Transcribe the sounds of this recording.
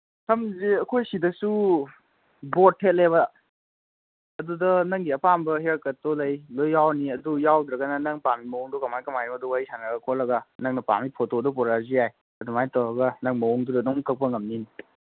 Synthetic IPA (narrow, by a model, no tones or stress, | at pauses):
tʰɐmziɐkʰojsidɐsu | bɔtʰːet̚leβɐ | dudɐnɐŋɡiɐpʰambɐɦeɾkɐtɔlɐjlojːawniɐdujawd̪ɾɐɡɐnɐnɐŋpamimɐwɔŋdɔkɐmajkɐmajimɐduwajsaŋaɡɐkʰɔlɐɡɐnɐŋnɐpa̰mipʰɔtodɔpɔɾazijaj | ɐdumajtɐwɐɡɐnɐŋmɐɔŋdudɐdɔŋkɐk̚pɐŋɐmnini